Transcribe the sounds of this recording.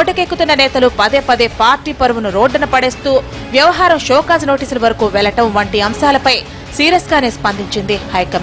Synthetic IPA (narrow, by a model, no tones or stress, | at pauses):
oʈːɐkekːut̪unːɐnɛːt̪ɐlupɐd̪eːpɐd̪eːpaːɾʈiːpɐɾuʋunuɾoːɖːɐnɐpɐɽe̞ːst̪uː | ʋjɐʋɐɦaːɾɐmʃɔːkaːd͡ʒno̞ːʈiːsulɐʋɐɾɐkuːʋɛɭɐʈɐmʋɐɳʈiɐmʃaːlɐpɐj | siːɾɐsɡaːne̞ːspɐnd̪ʱiɲt͡ʃind̪ihɐjkɐm